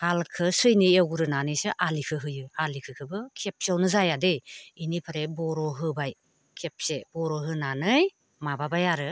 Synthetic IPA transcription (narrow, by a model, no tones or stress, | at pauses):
halkʰɯsɯjniewɡuɾɯnanɯjsɯʔalikʰɯɦɯjɯalikʰɯkʰɯbɯkʰep̚siawnɯzajadeinipʰaɾebɔɾɔɦɯbaj | kʰep̚sebɔɾɔɦɯnanɯj | mababajaɾɯ